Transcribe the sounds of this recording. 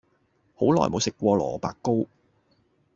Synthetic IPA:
ho˨˥wlɔ̰ː˨jmo˨˧wsɪ˨kːʷɔː˧lɔː˨˩paː˨kːo˥w

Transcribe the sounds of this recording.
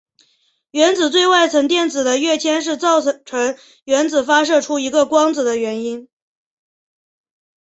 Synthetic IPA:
ɥɛ˧˥nd͡zɹ̩˨˩t͡swe˥˧ɪwa˥˩ɪt͡sʰɤ˧˥ŋt̪jɛ˥˩nd͡zɹ̩˨˩d̪ə˦ɥɛ˥˩t͡ɕʰjɛ˥nʂ̬ɻ̩˥˧t͡sɑ˥˩ʊʈ͡ʂʰə˧˥ŋ | ɥɛ˧˥nd͡zɹ̩˨˩fa˥ʂ̬ɤ˥˩ʈ͡ʂʰu˥i˧˥ɡə˧kwɑ˥ŋd͡zɹ̩˨˩d̪ə˦ɥɛ˧˥ni˥n

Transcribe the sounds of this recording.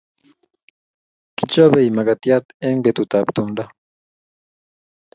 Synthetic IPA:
kit͡ʃo˦βe˨jma˨ɡa˨t̪ja˦t̪e˦ŋbet̪ut̪a˨pt̪und̪a˦

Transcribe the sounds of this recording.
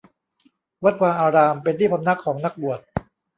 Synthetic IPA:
wa˦˥t̪̚waː˧ʔaː˧ɾaː˧mpe˧nt̪ʰiː˥˩pʰa˧mna˦˥kʰːɔː˩˦ŋna˦˥k̚bu˨˩ət̪̚

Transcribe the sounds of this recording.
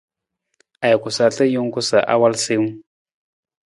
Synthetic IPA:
a˨jku˨sa˨ɬə˦ju˦ŋ˦ku˦sa˨ʔa̰˦wa˦lsi˦mu˦

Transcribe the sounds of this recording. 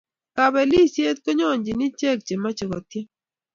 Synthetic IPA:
ka˨bɛ˨li˦˨sje˦t̪̚ko˦ɲɔ˦˨ɲd͡ʒi˨ni˦t͡ʃe˦˨k̚t͡ʃe˨ma˦t͡ʃe˨kɔ˨tje˦

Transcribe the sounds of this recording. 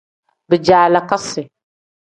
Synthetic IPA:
bə˨d͡ʒa˨la˨ka˦sɪ˨

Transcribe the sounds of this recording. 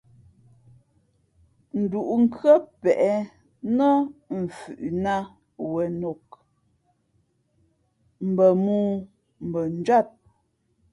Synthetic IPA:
n̩˨du˨ʔu˨ŋ̩˦kɰə˦pɛ˨ʔɛ˨ | nɔ˦m̩˨fʉ̰˨ʔna˦ | wɛ˨no˨k̚ | m̩˨bə˨muː˦ | m̩˨bə˨n̩˨˦d͡ʒwa˦˨t̚

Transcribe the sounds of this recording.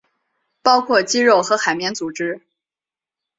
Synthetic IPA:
pɑ˥ʊkʰwɔ˥˩t͡ɕi˥ɻo˥˩ʊxɤ˧˥xa˨˩ɪmjɛ˧˥nt͡su˨˩ʈ͡ʂɻ̩˥

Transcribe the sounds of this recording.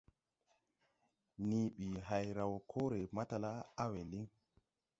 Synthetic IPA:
niː˨ɓi˨ɦa˨jɾa˨wkʰoː˦ɾɛ˨ma˦ta˨la˦a˦we˨li˦ŋ

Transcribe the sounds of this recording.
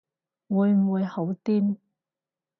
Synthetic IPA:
wuː˨˧jm̩˨˩wuː˨˧jho˨˥wt̪iː˥m

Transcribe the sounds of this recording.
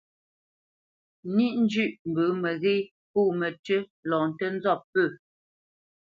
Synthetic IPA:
ni˦ʔn̩˦d͡ʒʉ˦˨ʔm̩˨bə˨˦mə˨ɣe˦ | po˦˨mə˨tə˦lɔ̃˨n˨tə˦n̩˦zɔ˦˨pːə˦˨

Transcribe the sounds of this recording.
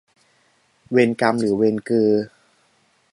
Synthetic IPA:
we˧nka˧mɾɯː˩˦we˧nkɯː˧

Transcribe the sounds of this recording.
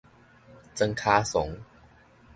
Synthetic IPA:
t͡sə˧ŋkʰaː˧sʊ˨˦ŋ

